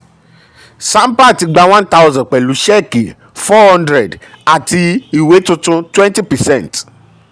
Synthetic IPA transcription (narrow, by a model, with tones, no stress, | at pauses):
sã˦m˦pa˦˨ti˨˧ɡ͡ba˧w̃ã˦n˦ta˦wzɔ̃˨k͡pɛ˨lu˨˦ʃɛ˦˨ke˨ | fɔ˦hɔ̃˦ndɾɛ˨d | a˨ti˧i˨we˨˦tũ˦tũ˦twɛ̃˦nti˦pɛ˨sɛ̃˦˨nt